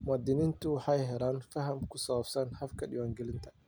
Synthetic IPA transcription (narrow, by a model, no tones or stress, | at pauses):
mʊaːd̪ɪnint̪ʊwħɑjɦɛɾaːnfɐɦɐmkʰʊsɐwɐbsɐnħɐfkʰɐɗɪwaːŋɡɛlɪnt̪ʰɐ̥